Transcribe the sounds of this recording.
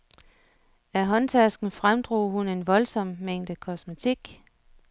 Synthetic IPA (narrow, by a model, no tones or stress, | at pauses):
æɦɒ̽nt͡sʰæsɡ̥n̩fʁamd̥ʁo̝ːhune̝nʋɒ̽lsɒ̽m̰meŋ̰d̥əkʰɒsmot͡sʰiɡ̥